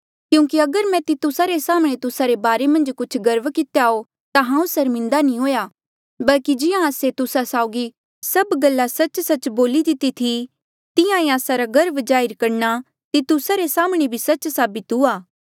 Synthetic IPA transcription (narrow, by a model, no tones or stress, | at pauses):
kjũːk̬iɐɡəɾmɛ̃t̪it̪ʊsaɾesaːmɽ̃et̪ʊsaɾebaːɾemɐ̃nd͡ʒkʊt͡ʃʰɡɐɾʋkɪt̪eao | t̪aɦãːũsɐɾmɪ̃nd̪anĩɦoːja | bɐlkid͡ʒɪjãːset̪ʊsasaːʊɡi | sɐbɡɐlːasɐt͡ʃsɐt͡ʃboːlid̪ɪt̪it̪ʰi | t̪ɪjãẽaːsaɾaɡɐɾəbd͡ʒaːɪɾkɐɾna | t̪it̪ʊsaɾesaːmɽ̃ebʱisɐt͡ʃsaːbit̪uaː